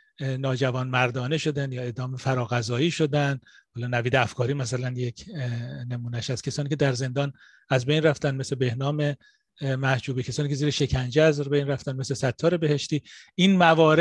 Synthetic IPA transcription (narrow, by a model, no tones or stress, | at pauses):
nɒːd͡ʒævɒːnmæɾd̪ɒːne̞ʃo̞d̪ænjɒːe̞d̪ɒːmefæɾɒːɣæzɒːiːʃod̪ænd̪ | hɒːlɒːnæviːd̪eæfkʰɒːɾiːmæsælænjekʰnemuːnæʃæz̥kʰʲesɒːniːcʰe̞d̪æɾze̞nd̪ɒːn | æzbejnræft̪ænd̪meslebe̞hnɒːme̞ | mæhd͡ʒuːbicʰesɒːniːcʰeziːɾeʃe̞cʰænd͡ʒeæzbejnræft̪ænd̪meslesæt̪ʰːɒːɾe̞be̞he̞ʃt̪iː | inmævɒːɾe